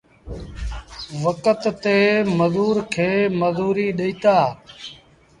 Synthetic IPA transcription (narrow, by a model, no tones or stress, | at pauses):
ʋəkət̪t̪eːməzuːɾkʰeːməzuːɾiːɗeiːt̪aː